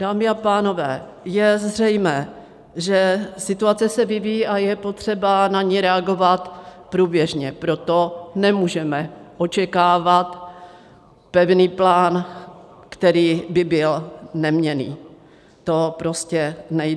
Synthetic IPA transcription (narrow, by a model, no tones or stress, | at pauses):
d̥aːmɪapaːno̞vɛːjɛzr̝ɛjmɛː | ʒɛsɪt̪uat͡sɛsɛvɪvijːʔajɛpo̞t̪r̝̥ɛbanaɲɛɾɛaɡo̞vat̪pɾuːbjɛʒɲɛpɾo̞t̪o̞nɛmuːʒɛmɛʔo̞t͡ʃɛkaːvat̪ | pɛvniːplaːn | kt̪ɛɾiːbɪbɪlnɛmɲɛnḭː | t̪o̞pɾo̞scɛnɛj